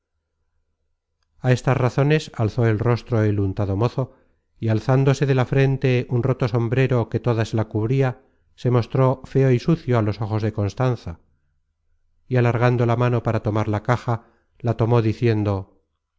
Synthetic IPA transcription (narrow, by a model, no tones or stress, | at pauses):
ae̞st̪azraθo̞ne̞salθo̞e̞lro̞st̪ɾo̞elunt̪aðo̞mo̞θo̞ | ialθand̪o̞se̞ðe̞lafɾe̞nt̪e̞unro̞t̪o̞so̞mbɾe̞ɾo̞ke̞t̪o̞ðaselakuβɾia | se̞mo̞st̪ɾo̞fe̞o̞isuθjo̞alo̞so̞xo̞zðe̞ko̞nst̪anθa | ialaɾɣand̪o̞lamano̞paɾat̪o̞maɾlakaxa | lat̪o̞mo̞ðiθje̞nd̪o̞